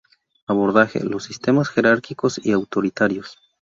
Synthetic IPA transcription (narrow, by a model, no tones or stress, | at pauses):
aβo̞ɾðaxḛlo̞sːist̪e̞masxe̞ɾaɾkiko̞siawt̪o̞ɾit̪aɾjo̞s